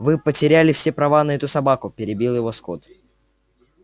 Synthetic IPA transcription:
vɨpətʲɪɾʲælʲɪfsʲe̞pɾɐvanəɛt̪ʊsɐbakʊpʲɪɾʲɪbʲilˠjɪvo̞sko̞̰t̪

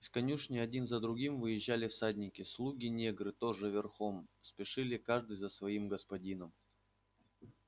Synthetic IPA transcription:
ɪskɐnʲuʂnʲɪɐdʲinzəd̪ɾʊɡʲimvɨjɪʑːalʲɪfsadʲnʲɪkʲɪslˠuɡʲɪnʲeɡɾɨt̪o̞ʐɨvʲɪrxomspʲɪʂɨlʲɪkaʐd̪ɨjzəsvɐimɡəspɐdʲin̪əm

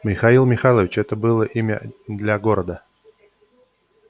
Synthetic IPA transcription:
mʲɪxailˠmʲɪxalˠəvʲɪt͡ɕɛt̪əbɨlˠəʔimʲə̰d̪lʲaɡo̞ɾəd̪ə

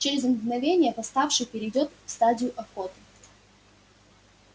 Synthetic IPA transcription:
t͡ɕeɾʲɪzənvnɐvʲenʲɪjəpɐst̪afʂɨxpʲɪɾʲɪjdʲo̞t̪fst̪adʲɪjʊʔɐfkot̪ | t̪

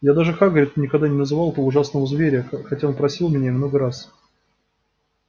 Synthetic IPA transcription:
jad̪aʐɨxaɡəɾʲɪt̪nʲɪkɐɡd̪anʲɪnəzɨvɑlˠt̪əvəʊʐasnəvəzvʲeɾʲɪəxɐtʲaonpɾɐsʲilˠmʲɪnʲamnoɡəɾas

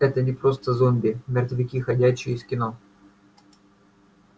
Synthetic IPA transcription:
ɛt̪ənʲɪpɾo̞st̪əzomʲbʲɪmʲɪrt̪vʲɪkʲixɐdʲæɕːɪjɪskʲɪno̞

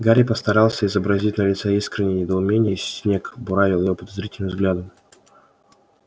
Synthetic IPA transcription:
ɡaɾʲɪpəst̪ɐɾɑlˠsʲəɪzəbɾɐzʲitʲnəlʲɪt̪səiskɾʲɪnʲɪjənʲɪd̪əʊmʲenʲɪjəsʲnʲe̞kbʊɾavʲɪlˠjɪvopəd̪ɐzɾʲitʲɪlʲnɨmvzɡlʲad̪ʊ

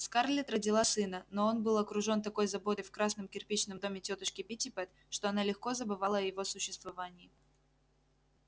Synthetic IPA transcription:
skarlʲɪt̪rədʲɪlˠasɨnəno̞o̞nbɨlˠɐkɾʊʐo̞nt̪ɐko̞jzɐbo̞t̪ɨfkɾasnəmkʲɪrpʲit͡ɕnəmd̪o̞mʲɪtʲot̪əʂkʲɪpʲɪtʲɪpɛt̪ | ʂt̪o̞ɐnalʲɪxko̞zəbɨvalˠəɐjɪvo̞sʊɕːɪst̪vɐvanʲɪː

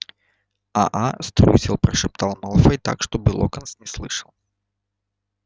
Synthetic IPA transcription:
a̰ʔast̪ɾʲṵsʲɪlˠpɾəʂɨp̚t̪alˠmɐlˠfəjt̪a̰kʂt̪obɨlˠo̰kənsnʲɪslˠɨʂəlˠ

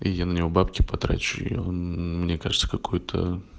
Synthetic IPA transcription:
ɪ̰janənʲɪvobapkʲɪpɐt̪ɾa̰t͡ɕʊɪ̰onmnʲekaʐɨt̪sə̥kɐkʰojʊt̪ʰə̰

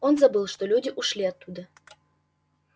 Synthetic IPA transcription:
onzɐbɨlˠʂt̪olʲudʲɪʔuʂlʲiɐt̪ːud̪ə

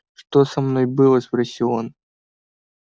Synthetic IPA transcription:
ʂt̪osɐmnojbɨlˠəspɾɐsʲilˠon

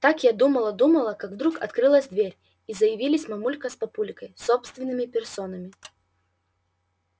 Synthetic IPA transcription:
t̪akjad̪uməlˠəd̪uməlˠəkaɡvd̪ɾukɐ̰t̪kɾɨlˠəzʲd̪vʲeɾʲ | izəjɪvʲilʲɪsʲmɐmulʲkəspɐpulʲɪkəjsopst̪vʲɪnːɨmʲɪpʲɪrsonɐmʲɪ

